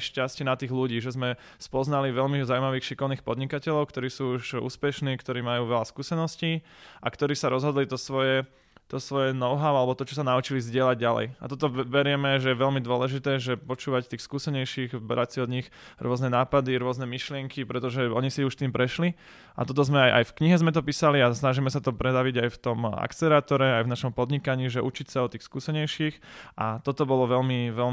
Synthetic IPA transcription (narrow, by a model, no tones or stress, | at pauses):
ʃcascɪɛnat̪iːɣluɟiːʒɛzmɛ | spɔznaliʋɛʎmizaumaʋiːxʃikɔʊniːxpɔd̪ɲikacɛʎɔʊkt̪ɔɾiːsuːuʃṵːspɛʃniːkt̪ɔɾiːmajuːʋɛlaskuːsɛnɔsciːʔakt̪ɔɾiːsaɾɔzɦɔd̪lit̪ɔsʋɔjɛ | t̪ɔsʋɔjɛnɔʊɦaʊalɛbɔt̪ɔt͡ʃɔsanaut͡ʃilizɟɪɛlaɟɟalɛ̰ja̰t̪ɔt̪ɔʋɛɾɪɛmɛʒɛjɛʋɛʎmid̪ʊɔlɛʒit̪ɛːʒɛpɔt͡ʃuːʋact̪iːxskuːsɛɲɛjʃiɣbɾasiɔd̪ɲix | ɾʊɔznɛnaːpad̪iɾʊɔznɛmiʃlɪɛŋkipɾɛt̪ɔʒɛɔɲisiuʃt̪iːmpɾɛʃli | ʔa̰t̪ɔt̪ɔzmɛajʔa̰jfkɲiɦɛzmɛt̪ɔpiːsaliasnaʒimɛsat̪ɔpɾɛd̪aʋiɟajft̪ɔma̰kt͡sɛɾaːt̪ɔɾɛajvnaʃɔmpɔd̪ɲikaɲiːʒɛʔut͡ʃicsaɔt̪iːxskuːsɛɲɛjʃiːxʔat̪ɔt̪ɔbɔlɔʋɛlmiʋɛl